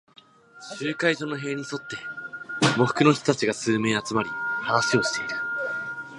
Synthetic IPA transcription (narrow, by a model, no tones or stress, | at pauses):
ɕɕɨːkaiʑo̞ːno̞ɦe̞ːɲ̟iso̞t̪ːe̞ | mo̞ɸɯ̟̥kɯ̟no̞çʲi̥t̪ot̪at͡ɕiɡasɨːme̞ːat͡sɨmaɾʲihanasɨjo̞ɕi̥t̪e̞iɾɯ̟